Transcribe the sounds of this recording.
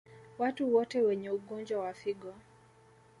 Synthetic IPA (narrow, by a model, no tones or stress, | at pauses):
watuwɔteweɲeuɡoɲd͡ʒɔwafɪɡɔ